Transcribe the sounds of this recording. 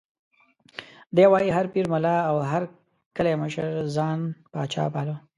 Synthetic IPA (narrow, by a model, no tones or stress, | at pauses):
d̪ewɑjiɦaɾpiɾmʊlɑawɦaɾ | kəleməʃəɾzɑnpɑːt͡ʃɑ̰pɑlo